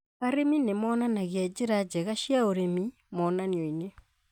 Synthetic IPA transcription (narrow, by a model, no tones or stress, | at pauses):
aɾeminemɔːnanaɣead͡ʒeɾad͡ʒɛɣaʃjaoɾemi | mɔnaniɔine